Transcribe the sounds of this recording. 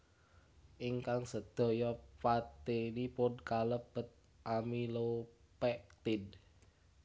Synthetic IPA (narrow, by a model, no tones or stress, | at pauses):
ʔiŋkaŋsəd̪̥o̤jɔpat̪enipʊnkaləb̥ə̤t̪̚ | ʔamilo | pɛʔt̪ɪd